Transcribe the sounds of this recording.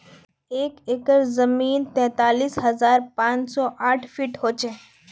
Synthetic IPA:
eːkɪkəɾzəmiːnt̪ɛ̃ːt̪aːliːsɦɐzaːɾpãːt͡ʃsɔːʔaːʈʰfiːʈɦoːt͡ʃe

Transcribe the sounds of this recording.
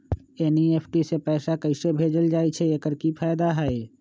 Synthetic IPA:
eːnieːpʰʈisepɛːsakɐɪsebʱeːd͡ʒəld͡ʒaːit͡ʃʰɛekəɾkipʰaːjd̪aɦɛe

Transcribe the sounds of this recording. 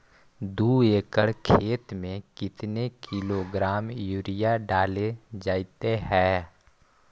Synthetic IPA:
d̪uːeːkəɽkʰeːt̪mẽkɪt̪nekʰɪloɡɾaːmjuːɾɪjaɖaːled͡ʒaːɪt̪eɦɛ̃ː

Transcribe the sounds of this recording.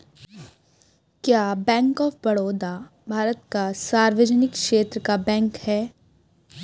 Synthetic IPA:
kjaːbɛ̃ːŋkɔːfbɐɽoːd̪a | bʱaːɾət̪kasaːɾʋəd͡ʒənɪkʃeːt̪ɾəkabɛ̃ːŋkhɛː

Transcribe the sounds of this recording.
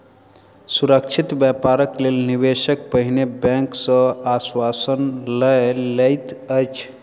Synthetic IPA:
suɾəkt͡ʃʰit̪bjapaɾəklelnibesək̚pəɦinebɛ̃ŋksə̃aswasənləlejt̪əjt͡ʃʰ

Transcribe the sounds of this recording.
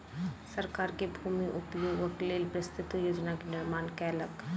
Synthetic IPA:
sɐɾkaːɾkebʱuːmiʔʊpjoːɡəkleːlpɾəst̪ʰɪt̪joːd͡ʒnakenɪɾmaːnkɛːlək

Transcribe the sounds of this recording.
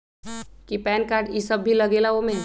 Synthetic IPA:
kipɛnkaɾɖisəbːʱiləɡelaome

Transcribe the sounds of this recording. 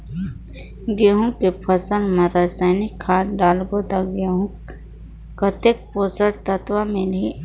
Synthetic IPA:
ɡeːɦũkepʰəsəlmãɾasaːɪnikʰːaːʈɖaːlɡod̪aɡeɦũ | kət̪ek̚poːsəɽt̪ət̪wamẽli

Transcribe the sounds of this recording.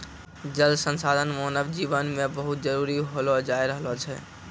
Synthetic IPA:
d͡ʒəlsənsad̪ʱənmonəbd͡ʒibənmebəɦut̪̚d͡ʒəɾuɾiɦolɔd͡ʒaeɾəɦlɔt͡ʃʰɛ

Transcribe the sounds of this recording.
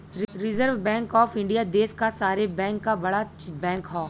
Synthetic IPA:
ɾɪzəɾʋbɛ̃ːŋkɔːfɪ̃ɳɖijad̪eːskasaːɾebɛ̃ːŋkːabɐɽabɛ̃ːŋkɦoː

